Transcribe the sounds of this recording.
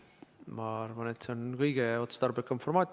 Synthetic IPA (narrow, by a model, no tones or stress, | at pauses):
mɑɑɾvɑne̞t̪seonkɤjɡ̥eo̞t̪ːst̪ɑrbekːˑɑmfo̞rmɑːt̪ʲ